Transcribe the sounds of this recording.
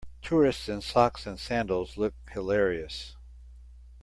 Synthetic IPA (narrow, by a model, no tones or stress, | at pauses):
tʰʊɹɨstsɨ̃nsɑksɨ̃nsæ̃ndl̩ˠzlʊk̚hɨlɛɹiɨs